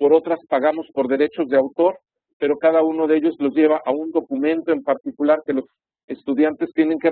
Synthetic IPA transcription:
po̞ɾo̞t̪ɾaspaɣamo̞spo̞ɾðe̞ɾe̞t͡ʃo̞zðe̞awt̪o̞ɾ | pe̞ɾo̞kaðauno̞ðe̞ʝo̞zlo̞zʝe̞β̞aʔaund̪o̞kumẽ̞nt̪o̞e̞mpaɾt̪ikulaɾke̞lo̞s | e̞st̪uðjant̪e̞st̪je̞ne̞ŋke

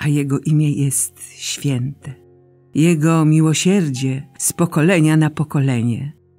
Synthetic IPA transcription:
ʔajɛɡɔʔimʲjɛjɛst̪ | ɕfʲjɛnt̪ɛ | jɛɡɔmʲiwɔɕɛɾd͡ʑɛspɔkɔlɛɲanapɔkɔlɛɲɛ

